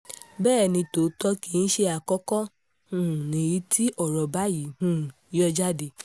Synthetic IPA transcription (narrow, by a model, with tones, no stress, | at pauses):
bɛː˦˨nĩ˧to˨˦tɔ˦ki˨˦n̩˦ʃe˧a˨kɔ˦kɔ˦ | hũ˦˨nĩ˨ji˨˦tʰi˦ʔɔ˨ɾɔ˨ba˨˦ji˨˦hũ˦˨i˨˦ɔ˧d͡ʒa˦de˧˨